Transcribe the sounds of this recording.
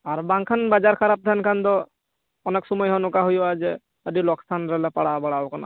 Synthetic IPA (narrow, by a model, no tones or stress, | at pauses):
aɾbaŋkʰanbad͡ʒaɾkʰaɾap̚d̪ʰʱɛnkʰand̪ɔ | ɔnɛksɔmɔjɦɔnukaɦɔjɔad͡ʒɛ | əɖilɔkst̪ʰanɾɛlɛpaɽabaɽaɔkʰana̰